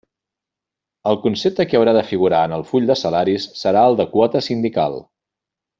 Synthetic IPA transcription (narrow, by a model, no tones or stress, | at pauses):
əlˠkunsep̚t̪əkiəwɾaðəfiɣ̞uɾaənəlˠfuʎʲd̪əsəlaɾisːəɾaəlˠd̪əkwɔt̪əsind̪ika̰lˠ